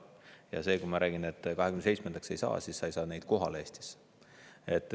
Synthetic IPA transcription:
jɑ̰se̞ːkujmɑɾʔæːɡ̥inet̪ːkɑɦeɡyneejt͡ssme̞nd̪̥ɑkse̞jsɑ̰ːsisːɑjsɑːne̞jd̪̥ko̞ɦɑleːst̪i̥s | e̞t̪ːˑ

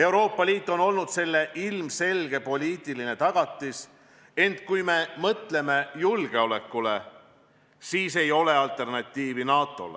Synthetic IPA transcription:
e̞wɾo̞ːpˑːɑlʲiːt̪ːˑo̞no̞lnud̪se̞lːe̞ʔilmse̞lɡ̥e̞po̞lʲiːt̪ːˑiline̞t̪ɑɡ̥ɑt̪ːˑis | e̞nt̪ˑkujme̞mɤt̪le̞me̞julɡ̥e̞o̞le̞kːule̞̰ | siːse̞jo̞le̞ɑlt̪ˑe̞rnɑt̪ʲːiːvinɑːt̪ːˑo̞̰le

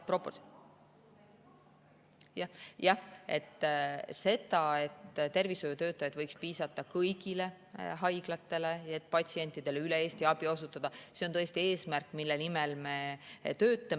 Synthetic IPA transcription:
propo | jɑjɑe̞̰t̪ːse̞d̪ɑe̞t̪ːt̪e̞rviso̞jut̪ø̞ːt̪ːˑɑjɑd̪vɤjkspiːsɑt̪ːˑɑkɤjɡ̥ile̞ | ɦɑjɡ̥lɑt̪ːe̞le̞et̪̚ːˑpɑtʲsie̞nʲt̪ːˑid̪̥e̞leyle̞e̞ːst̪iɑb̥io̞sut̪ːˑɑd̪̥ɑse̞o̞nt̪ɤjest̪ie̞ːsmærkːˑmilːenimelme̞t̪øːt̪ːˑɑ

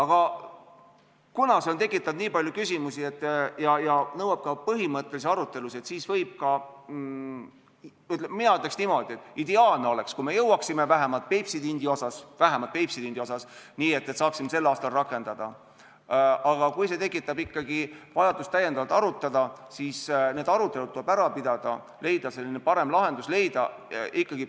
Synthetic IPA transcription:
ɑɡ̥ɑ | kunɑseont̪e̞kːˑit̪ːˑɑd̪niːpɑljukysʲimusie̞t̪ːˑjɑjɑnɤwɑb̥̚kɑpɤɦimɤt̪ːˑelis̬eɑɾut̪ːˑe̞luset̪siːsvɤjb̥̚kɑ | yt̪ˑleminɑyt̪le̞ksnimo̞d̪̥ʲie̞t̪ːˑid̪̥e̞ɑːlne̞o̞le̞kskume̞jɤwɑksime̞væɦemɑlt̪̚pejpsid̪ind̪io̞sɑsvæɦemɑlt̪̚pejpsid̪ind̪̥ʲio̞sɑsniːe̞t̪ːet̪sɑːksimːese̞lːɑːst̪ɑlrɑkːˑe̞nd̪̥ɑd̪̥ɑ | ɑɡ̥ɑkujse̞t̪e̞kːˑit̪ːˑɑbikːɑɡ̥ivɑjɑd̪ust̪æjed̪̥ɑvɑlt̪ːˑɑɾut̪ːˑɑd̪̥ɑsiːsne̞ːd̪̥ɑɾut̪ːˑe̞ludt̪t̪ːuebæɾɑpid̪̥ɑd̪̥ɑ̰ | le̞jd̪ɑse̞lːinepɑɾe̞mlɑɦe̞nd̪̥usle̞jd̪̥ɑ | ikːɑɡ̥i

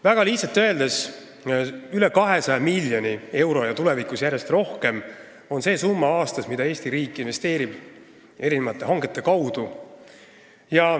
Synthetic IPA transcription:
væɡ̥ɑliht̪sɑt̪ːˑøe̞ld̪e̞s | yle̞kɑɦe̞sɑjemilʲjo̞nie̞wɾo̞jɑt̪ule̞vikˑusjæɾje̞st̪ro̞hke̞m | o̞nse̞ːsumːɑɑːst̪ɑsmid̪ɑe̞ːst̪iɾiːkːˑinve̞st̪e̞ːɾib̥ | e̞ɾinevɑt̪ːˑe̞ɦɑŋɡ̥e̞t̪ˑːe̞kɑwd̪̥u | jɑ

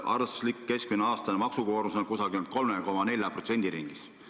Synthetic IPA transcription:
ʔɑ̰rslikːe̞skmineɑːst̪ɑnemɑksukoːɾmusonkusɑɡ̥ient̪̚ko̞lmeko̞mɑne̞lʲjɑprot̪se̞nd̪iɾiŋɡ̥is

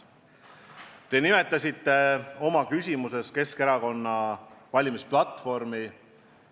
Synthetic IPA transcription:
t̪e̞nime̞t̪ˑːɑsʲit̪ːe̞o̞mɑkysʲimuse̞ske̞ske̞ɾɑko̞nːɑvɑlʲimisplɑt̪ːˑfo̞rmi

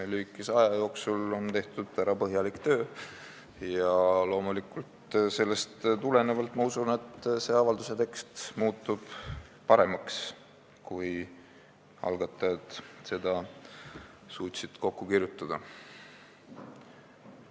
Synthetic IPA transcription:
elyːkːˑisɑjɑjo̞ːksulo̞nt̪e̞ht̪ud̪̥væɾɑpɤɦjɑlikt̪øː | jɑlo̞ːmulikːˑult̪se̞lːe̞st̪t̪ule̞nevɑlt̪ːˑmɑusune̞t̪ːse̞ːɑvɑld̪use̞t̪e̞kst̪muːt̪ˑːub̥ | pɑɾe̞mɑks | kuj | ɑ̰lɡ̥ɑt̪ːˑɑjɑd̪̥se̞d̪̥ɑ | suːt̪ʲsid̪̥ko̞kːukirjut̪ːˑɑd̪̥ɑ

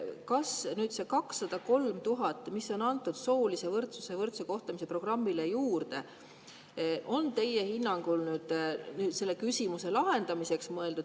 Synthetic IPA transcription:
kɑsnyːd̪̥se̞kɑksːɑd̪̥ɑko̞lmt̪uɦɑt̪ːˑmiso̞nɑnt̪ːˑud̪̥so̞ːlise̞vɤrt̪suse̞vɤrt̪seko̞ht̪ɑmise̞pro̞ɡ̥rɑmːilejuːrd̪e̞ | ʔo̞nt̪e̞je̞hinːɑŋɡ̥ulnyːd̪̥nyːd̪̥se̞lːe̞kysʲimuse̞lɑɦe̞nd̪̥ɑmise̞ksmɤe̞ld̪ud̪

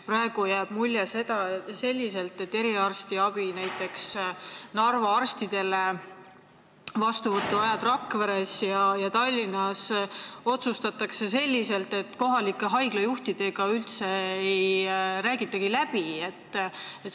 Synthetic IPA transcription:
pɾɑe̞ɡ̥ujæːb̥mulʲjese̞d̪̥ɑese̞lʲːise̞lt̪ːˑe̞t̪ːe̞ɾiɑrst̪iɑb̥inæjt̪ːˑe̞ksnɑrvɑɑrst̪id̪̥e̞le | vɑst̪uvɤt̪ːuɑjɑt̪rɑkːveɾe̞sjɑjɑt̪ɑlʲːinɑso̞t̪sust̪ɑt̪ːˑɑkse̞se̞lʲːise̞lt̪e̞t̪ːˑko̞ɦɑlikːˑeɦɑjɡlɑjuht̪id̪̥e̞ɡɑylt̪se̞ejɾæːɡit̪ːˑɑɡ̥ilæb̥ie̞t̪ːˑet̪

